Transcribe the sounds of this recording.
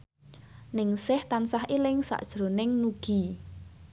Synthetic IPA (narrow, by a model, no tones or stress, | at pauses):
nɪŋsɪht̪ansahʔelɪŋsa̰ʔd̥ʒ̥ɾo̤nɪŋnuɡ̥i̤